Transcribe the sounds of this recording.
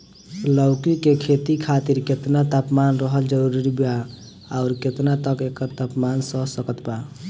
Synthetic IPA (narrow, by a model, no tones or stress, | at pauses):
ləʊkikekʰet̪ikʰat̪iɾket̪nat̪apmanɾəɦəld͡ʒəɾuɾiɾiba | aʊɾket̪nat̪əkekːəɾt̪apmansəsəkət̪ba